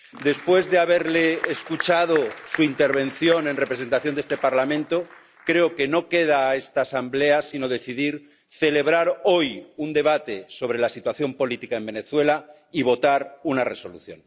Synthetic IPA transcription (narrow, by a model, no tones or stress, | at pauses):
d̪e̞spwe̞zðeaβ̞e̞ɾle̞ːskut͡ʃað̞osuint̪e̞ɾβ̞ẽ̞nθjo̞nẽ̞nre̞pɾes̬e̞nt̪aθjonest̪e̞paɾlamẽ̞nt̪o̞ | kɾe̞oke̞no̞ke̞ð̞aːe̞st̪aːsambleasino̞ðe̞θiðiɾ | θe̞le̞β̞ɾaɾo̞jund̪e̞β̞at̪e̞so̞β̞ɾe̞lasit̪waθjo̞mpo̞lit̪ikae̞mbe̞ne̞θwe̞la | iβ̞o̞t̪aɾunare̞so̞lṵθjo̞̰n